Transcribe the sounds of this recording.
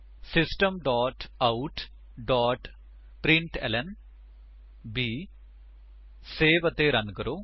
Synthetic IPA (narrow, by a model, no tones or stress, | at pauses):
sisʈɐmɖaːʈɐwʈ | ɖaːʈ | pɾiɳʈḛlen | bi | seːʋɐt̪ːeːɾɐnɡɐɾo